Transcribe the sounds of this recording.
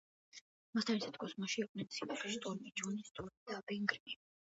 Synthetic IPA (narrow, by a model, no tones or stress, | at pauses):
mast̪ʰanisat̪ʰkʰɔsmaʃiːq̚ʼnɛnsʰimat̪ɛst̪ʼɔɾmid͡ʒɔnist̪ʼɔɾid̪abɛŋɡɾmi